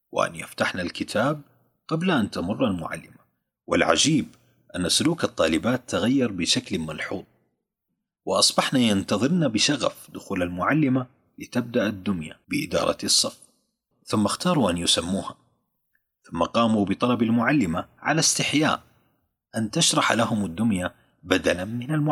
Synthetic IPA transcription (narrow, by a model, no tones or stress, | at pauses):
wɪ̰ʔa̰nja̰ft̪aħnalkɪt̪ʰaːb̚ | qɑblaʔant̪amʊrˤːalmʊ̰ʕa̰lːɪma | wɪ̰lʕa̰d͡ʒiːb | ʔanːasʊluːkɑt̪ˤːɑːlɪbaːt̪ːaɣajːɑɾˤbɪʃaklmɑlħuːðˤ | wɪʔɑsˤbɑħnajant̪ɑðˤɨɾnabɪʃaɣa̰fd̪ʊxuːlalmʊʕalːɪma | lɪt̪ab̚d̪aʔad̪ːʊnjabɪʔɪ̰d̪ɑ̰ːɾˤɑ̰sˤːɑf | θʊmːaxt̪ɑːɾˤuʔanjʊsamːuːha | θʊmːaqɑːmubɪt̪ˤɑlɑbalmʊʕalːɪmaʕa̰last̪ɪħja̰ːʔ | ʔant̪aʃɾˤɑħlaɦʊmɪd̪ːʊnja | bad̪alamɪnalmʊ